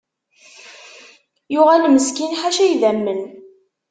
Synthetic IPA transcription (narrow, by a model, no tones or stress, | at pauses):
jʊʁælməskinħaʃæjðæmːən